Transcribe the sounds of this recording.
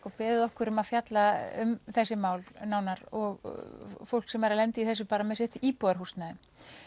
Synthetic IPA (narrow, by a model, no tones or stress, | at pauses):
kɔpɛːðɪðɔhkʏɾʏmaðfjat̪laʏmθɛsːɪmaːwlnaːwnaɾɔɣfowl̥ksɛmɛɾalɛnt̪ɪiθɛs̬ːʏpaːɾamɛðsɪht̪ipɔaɾ̥hust̪naðʏ